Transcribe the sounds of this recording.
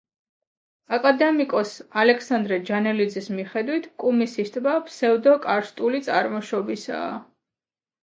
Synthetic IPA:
akʼad̪ɛmikʼɔsalɛkʰsand̪ɾɛd͡ʒanɛlid̪zismiχɛd̪wit̪ʰkʼumisist̪ʼbapʰsɛvd̪ɔkʼaɾst̪ʼulit̪sʼaɾmɔʃɔbisa̰ː

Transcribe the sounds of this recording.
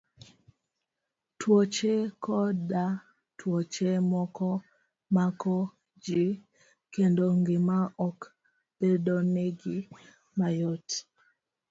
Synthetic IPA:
twot͡ʃekɔda | twɔt͡ʃemɔkɔ | makɔ | d͡ʒi | kendoŋɡɪmaɔk | b̥edoneɡɪ | majɔt

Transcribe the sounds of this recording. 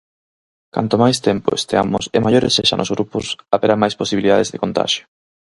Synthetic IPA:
ka̰nt̪omajst̪empʊ̰est̪ea̰mʊsɪmajoɾḛsːeʃa̰nʔozɣɾupʊsaβeɾamajsposiβiliðaðezðekõnt̪a̰ʃjo̥

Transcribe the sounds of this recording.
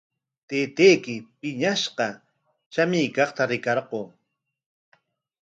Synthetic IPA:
t̪eːt̪ejkɪpɪɲaʃqɑ | ʃamɪjkɑχt̪aɾɪkɑɾɢoː

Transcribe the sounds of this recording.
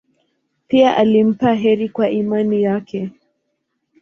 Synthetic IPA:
piaʔalim̩paɦɛɾikwaʔimanijakɛ

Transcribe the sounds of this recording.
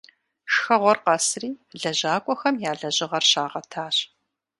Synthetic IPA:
ʃxɐʁʷɔrqɐsriːɮɐʑaːkʷʼɔxɐmjaːɮɐʑɪʁɐrɕaːʁɐtʰaːɕ

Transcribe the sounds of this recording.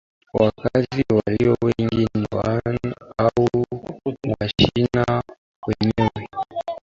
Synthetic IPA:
wakaziwaliɔwɛŋɡinnɛwanau | mwaʃiina | wɛɲɛwɛ

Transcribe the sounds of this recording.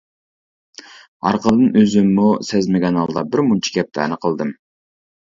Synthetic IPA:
ɑ̰ɾqəlˠd̪ɨnøzymːosezmeɡʲɛnɑlˠd̪ɑbɪɾmunt͡ʃʰi̥kʲɛp̚t̪ʰæ̰nəqʰəlˠd̪ɨm

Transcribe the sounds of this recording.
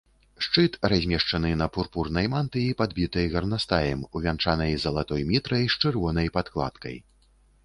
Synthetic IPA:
ʂt͡ʂɨt̪razʲmʲɛʂt͡ʂɐnɨnɐpurpurnɐjmant̪ɨipad̪bʲit̪ɐjɣɐrnast̪ajɛmuvʲant͡ʂanɐjzɐlˠat̪ɔjmʲit̪ɾɐjʂt͡ʂɨrvɔnɐjpat̪klˠa̰t̪kɐ̰j

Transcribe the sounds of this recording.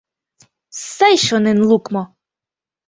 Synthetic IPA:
sɛjʃɔnɪnlˠukmɔ

